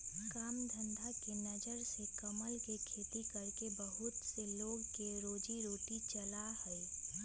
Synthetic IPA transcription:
kaːmd̪ʱə̃nd̪ʱakenɐd͡ʒəɾsekɐməlkekʰeːt̪ikɐɾkebəɦʊt̪seloːɡkeɾoːd͡ʒiɾoːʈit͡ʃəlahɛɛ

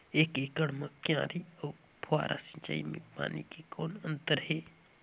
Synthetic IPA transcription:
eːkeːkəɽmãkjãːɾioː | pʰoa̰ːɾʔa̰sə̃ɲt͡ʃa̰ːḭmḛ̃pa̰ːnḭkekʰoːnə̃nt̪əɾɦeː

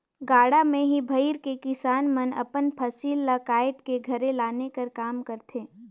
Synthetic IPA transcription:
ɡaːɽamẽɦibʱɐɪɾkekɪsaːnmɐnɐ̰pənpʰɐsiːlːakaːɪʈkeɡʱɐɾẽlaːnekɐɾkaːmkɐɾt̪ʰeː

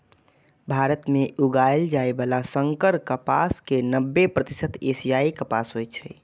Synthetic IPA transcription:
bʱaɾət̪meʔuɡajld͡ʒaebalasəŋkəɾkəpa̰skenəbːepɾət̪isət̪esijaikəpasɦojt͡ʃʰɛ

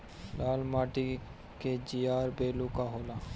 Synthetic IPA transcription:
laːlmaːʈi | ked͡ʒijaːɾbeːlukaɦoːlaː

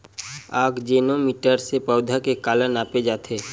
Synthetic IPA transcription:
aːɡd͡ʒeːnomiːʈəɾsepəʊd̪ʱakekaːlənaːped͡ʒaːt̪ʰeː

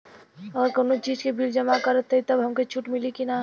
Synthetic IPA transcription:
əɡəɾkonot͡ʃid͡ʒkebild͡ʒəmakəɾət̪ʰːəit̪əbɦəmket͡ʃʰuʈmilikina

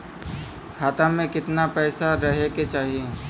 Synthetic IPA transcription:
kʰaːt̪amẽkɪt̪napɛːsaɾɐɦeket͡ʃaːɦie

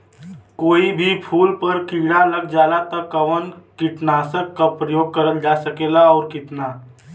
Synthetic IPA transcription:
koːibʱipʰuːlpəɾkiɽ̃alɐɡd͡ʒaːlat̪ɐkːɐʋənkɪʈnaːsəkːapɾəjoːɡ̚kɐɾəld͡ʒaːsɐkeːlaɔːɾkɪt̪naː

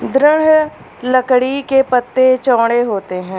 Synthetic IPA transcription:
d̪ɾɪɽ̤ | ləkɽikepət̪ːet͡ʃɔ̃ːɽ̃eɦoːt̪eɦɛ̃ː

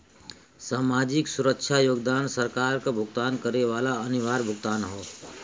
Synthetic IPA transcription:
saːmaːd͡ʒɪksʊɾəkʃʰajoːɡd̪aːnsəɾkaːɾkabʱʊɡt̪aːnkəɾeʋaːlaənɪʋaːɾbʱʊɡt̪aːnɦoː

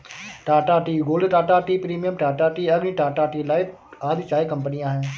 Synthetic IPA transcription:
ʈaːʈaːʈiːɡoːlɖʈaːʈaːʈiːpɾiːmijəmʈaːʈaːʈiːəɡniːʈaːʈaːʈiːlaːiaːd̪it͡ʃaːikəmpənɪjãːɦɛ̃ː

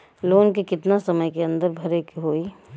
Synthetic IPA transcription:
loːnkikɪt̪nasɐməjkeɐ̃nd̪əɾbʱɐɾekiɦoːi

